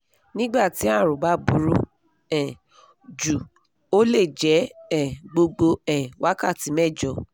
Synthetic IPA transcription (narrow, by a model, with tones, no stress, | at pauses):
nĩ˦ɡ͡ba˦˨ti˨˦ã˦˨ɾ̃ũ˨ba˨˦bu˦ɾo˧ | ɛ˨ | d͡ʒu˨ | o˦le˦˨d͡ʒɛ˨˦ɛ˦˨ɡ͡bo˧ɡ͡bo˧ɛ˨wʔa˦ka˦˨ti˨˦mɛ˦˨d͡ʒɔ˨˦